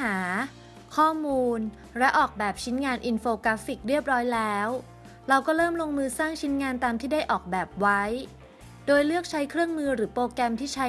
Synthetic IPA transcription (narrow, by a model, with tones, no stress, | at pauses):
aː˩˦ | kʰɔː˥˩muː˧n | ɾɛ˦˥ʔɔː˨˩k̚bɛː˨˩p̚t͡ɕʰi˦˥nŋaː˧nʔi˧nfoː˧ka˦˥fi˨˩k̚ɾi˥˩əp̚ɾɔː˦˥jlɛː˦˥w | ɾa˧wkɔː˥˩ɾɤː˥˩mlo˧ŋmɯː˧saː˥˩ŋt͡ɕʰi˦˥nŋaː˧nt̪aː˧mt̪ʰiː˥˩da˥˩jʔɔː˨˩k̚bɛː˨˩p̚wa˦˥j | doː˧jlɯ˥˩ək̚t͡ɕʰa˦˥jkʰɾɯ˥˩əŋmɯː˧ɾɯː˩˦poː˧kɛ˧mt̪ʰiː˥˩t͡ɕʰa˦˥